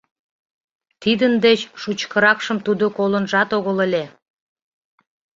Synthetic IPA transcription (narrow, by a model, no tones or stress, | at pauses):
t̪id̪ənd̪et͡ɕʃut͡ɕkəɾɑkʃəmt̪ud̪okolənʒɑt̪oɣəlelʲe